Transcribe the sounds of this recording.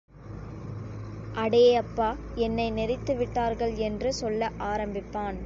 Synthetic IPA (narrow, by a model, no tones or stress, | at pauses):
ʔɐɽejɐpːaː | ɛnːɐɪnɛɾɪt̪ːɯʋɪʈːaːɾɣɐɭɛndrɯsɔlːɐʔaːɾɐmbɪpːaːn